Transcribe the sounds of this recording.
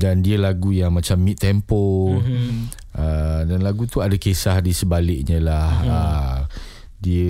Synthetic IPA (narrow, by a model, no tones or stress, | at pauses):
dandiəlaɡujaŋmãt͡ʃamːit̪ːɛmpo | ʔədanlaɡut̪uadakesahdisəbalɪk̚ɲə̃lahə | diə